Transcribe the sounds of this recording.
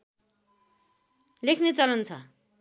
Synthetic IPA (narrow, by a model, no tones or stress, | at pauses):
lekʰnet͡sʌlʌnt͡sʰʌ